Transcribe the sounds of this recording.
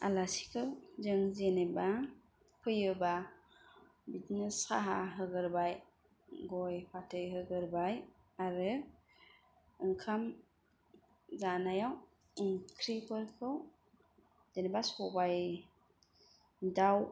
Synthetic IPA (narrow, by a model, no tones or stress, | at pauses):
a̰lasi̥kʰɯwzɯŋzeneba | pʰɯjɯba | bitneska̰ɦaɦɯɡɯɾbaj | ɡɔjpʰatʰɯjɦɯɡɯɾbaj | aɾɯ | ɯŋkʰam | zanajaw | ŋkʰɾipʰɯɾkʰɯw | zenebasɔbaj | daw